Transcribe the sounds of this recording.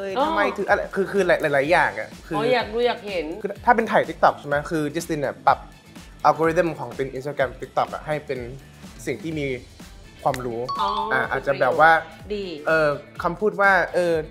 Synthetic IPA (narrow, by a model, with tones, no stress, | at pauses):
ma˥˩jt̪ʰɯː˧ʔa˧ɾa˧˦jkʰɯː˧kʰɯː˧la˨˦jlaː˨˦jlaː˩˦jːaː˨˩ŋʔa̰˨˩kʰɯː˧jaː˨˩k̚ɾuː˧˥jaː˨˩k̚he˨˩˦nː˧t̪ʰaː˥˩pe˧nt̪ʰaː˨˩jt̪i˦˥k̚t̪ɔ˨˩k̚t͡ɕʰma˦˥kʰɯː˧t͡ɕi˦˥st̪i˧nːʔa̰˨˩pa˨˩p̚ | ʔaː˧wko˧ɾi˦˥zə˧˥˩mkʰɔː˩˦ŋt̪i˧nʔi˧nst̪aː˧kɾɛ˧mt̪i˦˥k̚t̪ɔ˨˩k̚ʔa̰˨˩ɦa˥˩jpe˧n | si˨˩ŋt̪ʰiː˥˩miː˧ | kʰwaː˧mɾuː˦˥˧ʔaː˧˩ʔa̰ː˨˩t̪̚t͡ɕa˨˩bɛː˨˩p̚waː˥˩diː˧ʔɤː˧kʰa˧mpʰuː˥˩t̪̚waː˥˩ʔɤː˧